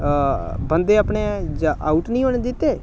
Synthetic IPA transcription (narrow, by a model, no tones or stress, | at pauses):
bənd̪eːapɳeːʔaːuʈnĩːoːned̪ɪt̪ːeː